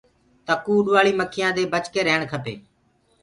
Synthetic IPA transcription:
t̪əkuːɗʋaːɭiːməkʰɪjãːd̪eːbət͡ʃkeːɾəɦəɳkʰəpḛː

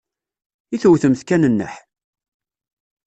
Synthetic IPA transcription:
iθwθəmθkænənːə̰ħ

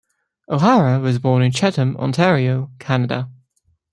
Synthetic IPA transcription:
ʔoʊɦaɹəwɒzbɔːnɪ̃nt͡ʃʰɛtə̃mɑ̰̃ntʰɛːɹioʊkʰanədə̰

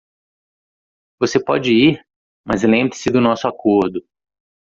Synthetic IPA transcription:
vosepɔd͡ʒɪiɾ | mɐzlẽmbɾɪsɪd̪ʊnɔsʊakoɾd̪ʊ

